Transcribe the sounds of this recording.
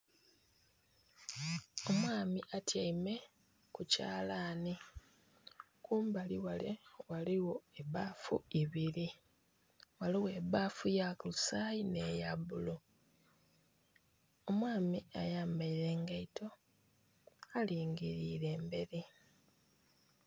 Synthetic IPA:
o̞mwaːmiʔatjaime̞ | kuca̰ːlaːni | kuːmbaliwalewaliwo̞eβafṵiβili | waliwe̞ːβaːfujakulusajine̞jaβulu | omwaːmiajaːmaiɾe̞ːŋɡaito̞ | aliːŋɡiɾiːɾe̞ːmbe̞ɾi

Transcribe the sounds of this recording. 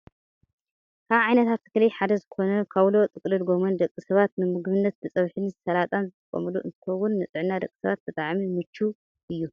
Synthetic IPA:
kʰaβʕajnɐt̪ʰat̪ːɨ̥klɐjħad̪ɐzɨko̞nɐkʰaβlo̞t̪ʼɨkʼlɨlɡomɐnd̪ɐkʼːisɐβat̪̚nɨmɨɡβɨnːɐt̪̚bɨt͡sʼɐβħɨnisɐlat̪ʼanzɨt̪ʼɐkʼɐ̰mɨluʔɨ̰nt̪ʰɨkxʰɐwːʊnːɨt͡sʼɨʕnːad̪ɐkʼːi̥sɐβat̪̚bɨt̪ʼaʕmimɨt͡ʃːu | ʔɨjːu

